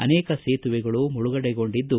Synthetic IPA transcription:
ɐ̰nɛːkɐseːt̪uʋɛɡɐɭumuɭuɡɐɽɛɡo̞ɳɖid̪ːu

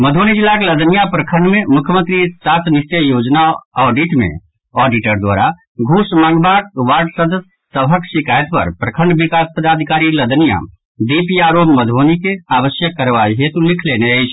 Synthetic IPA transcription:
məd̪ʱonid͡ʒilːakeləd̪ənijapɾəkʰəɳɖmemukʰjəmə̃nt̪ɾisat̪ʰnist͡ʃəjod͡ʒnaɔɖiʈmḛ̃ | ɔɖiʈəɾd̪wa̰ɾa | ɡʱusmãŋɡbaʈʋaɾɖsəd̪əsːəbʱəksikajt̪pə̰ɾpɾəkʰəɳɖbikaspəd̪ad̪ʱikaɾiləd̪ənija̰ | d̪ipijaɾobməd̪ʱonikeaʋəsjəkːəɾʋaɦet̪ulikʰleneəjt͡ʃʰ

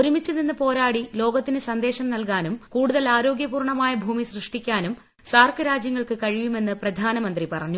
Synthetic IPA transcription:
oɾumit͡ɕːɐninːɨpo̞ːɾaːɽilo̞ːɡɐt̪ːinɨsɐnd̪e̞ːɕɐmnɐlkaːnumkuːɽuðɐlaːɾo̞ːɡjɐpuːrɳɐmaːjɐbʱuːmisrɨʂʈikʲːaːnum | saːrkɨɾaːd͡ʑjɐŋːɐɭkɨkɐɻijume̞nːɨprɐd̪ʱaːnɐmɐnd̪ripɐrɐɲːu

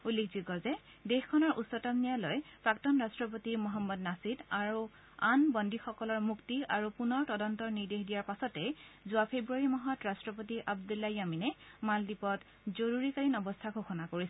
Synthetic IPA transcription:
ulːekʰziɡɔzɛ | dexkʰɔnɔɹʔusːɔtamnijalojpɹaktɔnɹastɹɔpotimɔɦɔmːɔd̚nasidaɹu | anbɔndixɔkɔlɔɹmuktiaɹupunɔɹtɔdɔntɔɹniɹdexdijaɹpasɔtɛzuapʰebɹuaɹimɔɦɔtɹastɹɔp̬otiʔabdulːajaminɛmaldipɔt | zoɹuɹikaɹinɔbɔstʰaɡʱoxɔnakoɹisɛ

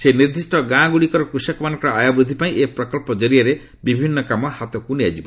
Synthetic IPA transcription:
seniɾd̪isʈɔɡãɡuɽikɔɾɔkɾusɔkɔmanɔ̃ŋkɔɾɔajabɾud̪ʱipaĩʔepɾɔkɔlpɔd͡ʒɔɾijaɾe | bibʱinːɔkamɔhat̪ɔkunead͡ʒibɔ

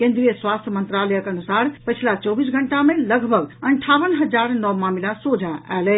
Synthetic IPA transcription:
kẽnd̪ɾijəswast̪ʰjəmənt̪ɾalɛjəkənusaɾpəjt͡ʃʰlat͡ʃɔbisɡʱəɳʈameləɡʱbʱəɡəɳʈʰaʋənɦəd͡ʒaɾnɔʋmamilasod͡ʒʱaʔɛ̰lɛ

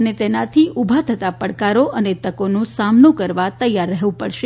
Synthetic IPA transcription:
ənet̪enat̪ʰiʔubʱat̪ʰət̪apəɽkaɾoʔənet̪əkonũsamnũkəɾʋat̪əjaɾːəɦʋũpəɽʃe

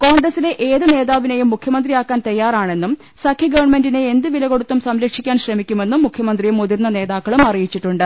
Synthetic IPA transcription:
ko̞ːŋɡrɐsile̞ʔeːðɨne̞ːðaːʋine̞jumːukʰjɐmɐnd̪rijaːkːaːnt̪ɐjːaːraːɳe̞nːum | sɐkʰjɐɡɐʋɐrɳme̞ndine̞end̪ɨʋilɐɣo̞ɽut̪ːumsɐmlɐkʂikʲːaːnɕrɐmikʲːume̞nːumːukʰjɐmɐnd̪rijumoðirnːɐne̞ːðaːkːɐɭumɐrijit͡ɕːiʈːuɳɖɨ

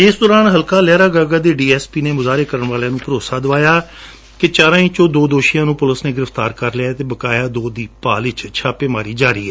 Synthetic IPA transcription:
ɪsd̪ɔːɾaːnɦəlkaːlɛːɾaːɡaːɡaːd̪eːɖiːɛːspiːneːmʊzaːɾeːkəɾənʋaːleãːnũːpəɾoːsaːd̪əʋaːjaː | kɪt͡ʃaːɾãːĩːt͡ʃoːd̪oːd̪oːʃijãːnũːpʊləsneːɡɪɾəft̪aːɾkəɾlɪaːt̪eːbəkaːjaːd̪oːd̪iːpaːlɪt͡ʃt͡ʃʰaːpeːmaːɾiːd͡ʒaːɾiːɦɛː

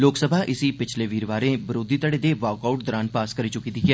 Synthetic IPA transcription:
loːksəbʱaːʔɪsipɪt͡ʃʰleʋiːɾʋaːɾẽːbɪɾoːd̪iːt̪əɽed̪eʋaːkaːʊʈ̚d̪ɔɾaːnpaːskəɾit͡ʃʊkid̪iɡɛː

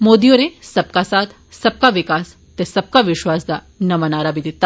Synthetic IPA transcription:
mod̪ioɾesɐb̚kasaːt̪ʰ | sɐb̚kaʋɪkaːs | t̪esɐb̚kaʋɪʃʋaːsd̪a | nɐmɐnaːɾabid̪it̪ːa

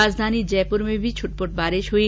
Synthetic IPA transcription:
ad͡zd̪ʱanid͡ʑɛpuɾmẽbʱit͡ʃʰuʈ̚poʈ̚baːɾeʃɦui

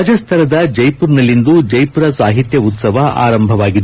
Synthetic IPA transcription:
d͡ʒɐst̪ʰɐɾɐd̪ɐd͡ʒɐjpuɾnɐlːind̪ud͡ʒɐjpuɾɐsaːɦit̪jɐut̪sɐʋɐʔa̰ːɾɐmbʱɐʋaːɡid̪

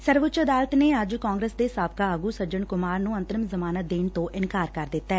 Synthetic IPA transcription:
səɾʋʊt͡ʃəd̪aːlət̪neːəd͡ʒkaːŋɡɾeːsd̪eːsaːb̚kaːəɡuːsəɾd͡ʒəɳkʊmaːɾnũːə̃nt̪əɾəmzəmaːnəd̪eːnt̪õːʔɪnkaːɾkəɾd̪ɪt̪ːɛː

